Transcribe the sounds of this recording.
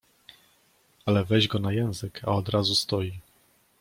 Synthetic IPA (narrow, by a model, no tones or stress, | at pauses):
alɛvɛʑɡɔnajɛ̃w̃zɘkʰaɔd̪ɾazust̪ɔji